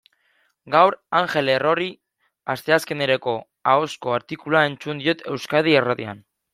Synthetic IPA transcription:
ɡawɾaŋʝe̞lero̞ri | ast̪e̞aske̞neɾeko̞ | ao̞sko̞aɾt̪ikulae̞nt͡sund̪io̞t̪ʰe̞wskaðieraðia̰n

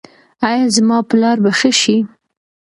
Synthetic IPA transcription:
ɑjɑzmɑpəlɑɾbaxəʃi

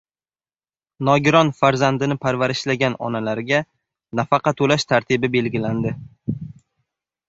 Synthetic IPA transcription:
nɒɡʲɪɾɒnfaɾzand̪ɪnɪpʰaɾvaɾɪʃlaɡʲanɒ̰nalaɾɪɡʲa | nafɑqɑt̪ʰːolaʃt̪ʰaɾt̪ʰɪbɪbe̞lɡʲɪland̪ɪ

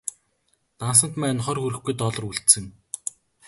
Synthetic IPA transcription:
t̪ans̬ə̆nt̪mæːnχɔrxuɾɘ̆xɡujt̪ɔɮɞ̆ruɬt̪sɘ̆ŋ

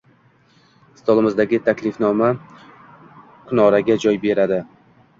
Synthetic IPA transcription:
ɪ̥st̪ɒlˠɪmɪzd̪aɡʲɪt̪ʰakʲlɪfnɒma | qʰʊnɒɾaɡʲad͡ʒɒjbe̞ɾad̪ɪ

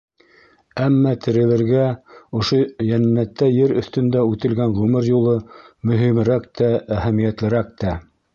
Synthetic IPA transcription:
æmːæt̪ʰɘ̆ɾɘ̆lɘ̆ɾɡæŏʃojænːæt̪ːæjɘɾɵ̆θt̪ɵ̆nd̪æʉt̪ɘ̆lɡænʁʉmɘɾjulˠɤmɵ̆ɦimɘ̆ɾæk̚t̪ææɦæmijæt̪lɘ̆ɾæk̚t̪æ

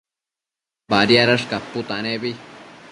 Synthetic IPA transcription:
baɾjaɾaʂkapːut̪anebi

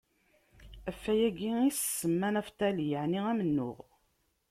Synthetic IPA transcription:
æfːæjæɡiissːəmːænæft̪æljəʕniæmənːʊ̰ʁ

